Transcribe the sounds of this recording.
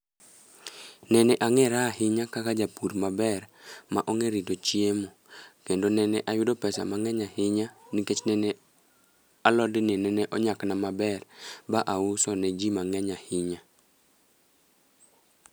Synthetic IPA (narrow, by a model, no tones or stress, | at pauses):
nɛnɛʔaŋɛɾahɪɲakakad͡ʒapuɾmabɛrmaʔoŋeɾidot͡ʃiemo | kendonɛnɛʔajʊdopɛsa̰maŋɛɲahɪɲaniket͡ʃnɛnɛ | alɔdɪninɛnɛʔɔɲaknamabɛrbaʔausɔnɛd͡ʒimaŋɛɲahɪɲa